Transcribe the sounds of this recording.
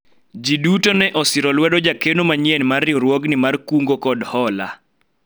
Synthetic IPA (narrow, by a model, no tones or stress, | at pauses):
d͡ʒidutonɛʔɔsɪɾɔlwɛdɔd͡ʒakenomaɲɪɛnmarɪoɾwɔɡnɪmarkuŋɡokɔdhɔla̰